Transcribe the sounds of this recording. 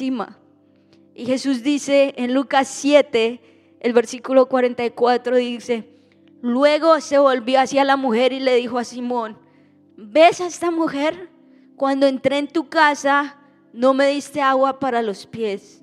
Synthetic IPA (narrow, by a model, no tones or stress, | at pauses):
ima̰ | ixe̞suzd̪ise̞ːnlukasːje̞t̪e | elβe̞ɾsikulo̞kwaɾe̞nt̪ajkwat̪ɾoðise̞ | lwe̞ɣo̞se̞βo̞lβjo̞asjalamuxe̞ɾile̞ðixo̞asimõ̞n | be̞sest̪amuxe̞ɾ | kwand̪o̞ent̪ɾe̞ːnt̪ukasa | no̞me̞ðist̪e̞aɣwapaɾalo̞spje̞s